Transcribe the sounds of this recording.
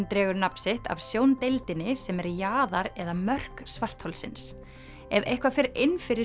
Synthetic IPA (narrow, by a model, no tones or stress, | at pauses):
nt̪ɾɛːɣʏɾnapsɪht̪a̰vsjoːwnt̪ejlt̪ɪnɪsɛmɛɾjaːðaɾɛðamœr̥ksvar̥t̪howlsɪ̰ns | ɛvḛjhkvafɪɾejnfɪɾɪ